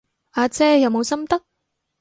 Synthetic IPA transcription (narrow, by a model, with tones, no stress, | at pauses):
aː˨˧t͡sɛː˥jɐ˨˧wmo˨˧wsɐ˥mt̪ɐ˥k̚